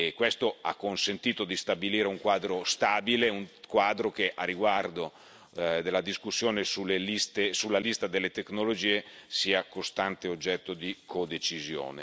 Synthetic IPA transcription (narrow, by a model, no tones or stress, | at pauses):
kːwest̪oa̰kːonsent̪iːt̪od̪ist̪abiliːɾeuŋkwaːd̪ɾost̪aːbileuŋkwaːd̪ɾok̟eʔarːiɡward̪o | d̪elːad̪iskusːjoːnesulːelist̪esulːalist̪ad̪elːet̪eknolod͡ʒiːesiːakost̪ant̪eod͡ʒːɛt̪ːod̪ikʰod̪et͡ʃizjo̰ːnḛ